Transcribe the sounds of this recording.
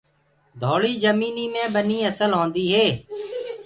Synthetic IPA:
d̪ʱoːɭiːzəmiːniːmẽːbəniːəsəlɦõːnd̪iːɦeː

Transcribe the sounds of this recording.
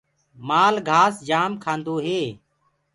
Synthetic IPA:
maːlɡʱaːsd͡ʒaːmkʰãːnd̪oːɦeː

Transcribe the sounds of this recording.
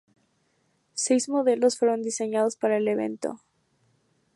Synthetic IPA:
se̞jzmo̞ðe̞lo̞sfwe̞ɾo̞nd̪ise̞ɲað̞o̞spaɾaele̞βe̞̰nt̪o̰

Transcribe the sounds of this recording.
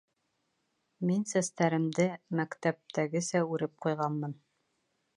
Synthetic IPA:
minsæst̪æɾɘ̆md̪ɘmækt̪æp̚t̪æɡɘsæʉɾɘp̚qujʁɑnmɤn

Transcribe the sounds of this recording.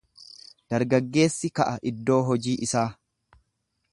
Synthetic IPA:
d̪̥ɐɾɡɐɡːe̞ːsːɪkɐʔɐʔɪd̪ːo̞ːɦɔd͡ʒiːʔɪsaː

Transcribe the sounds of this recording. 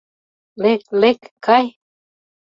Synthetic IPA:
leklekkʰaj

